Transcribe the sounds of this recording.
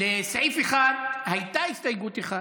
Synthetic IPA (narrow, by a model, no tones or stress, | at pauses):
lesejfeχaɾhajt̪aist̪ajɡut̪eχa